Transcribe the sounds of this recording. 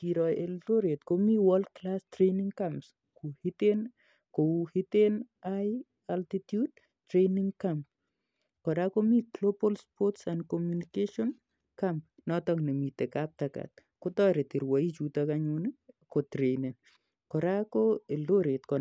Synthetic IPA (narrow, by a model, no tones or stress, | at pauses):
kiɾɔeldoɾet̪komiwald̚klastɾeniŋkams | kuhiten | kohiten | aj | altitjud̚ | tɾeniŋkamp | kɔɾakomiklopɔlspɔtsandkɔmjunikeʃɔn | kamp̚nɔtɔŋnemitekap̚taka̰t̪̚ | kotɔɾetiɾwait͡ʃutakaɲonikotɾenen | kɔɾakoeldoɾetkɔ